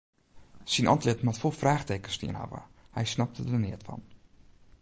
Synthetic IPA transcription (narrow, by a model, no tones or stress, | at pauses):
sinʔɑ̰ntlɪtmatfolˠfraːχtejkənstḭənha̰və̰hɛjsnɑp̚tʰədənɪətfɑ̰n